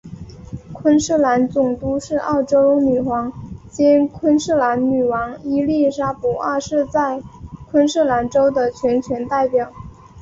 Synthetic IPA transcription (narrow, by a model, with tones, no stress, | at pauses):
kʰwə˥nʂ̩˥˩la˧˥nt͡sʊ˨˩ŋt̪u˥ʂɻ̩˥˧ɑ˥˩ʊʈ͡ʂo˥ʊ˥ny˨˩xwɑ˧˥ŋt͡ɕɛ˥nkʰwə˥nʂ̩˥˩la˧˥nny˨˩wɑ˧˥ŋi˥li˥˩ʂa˥pu˨˩a˥˧ʂɻ̩˥˧t͡sa˥˩ɪkʰwə˥nʂ̩˥˩la˧˥nʈ͡ʂo˥ʊd̪ə˨t͡ɕʰɥɛ˧˥nt͡ɕʰɥɛ˧˥nt̪a˥˩ɪpjɑ˨˩˦ʊ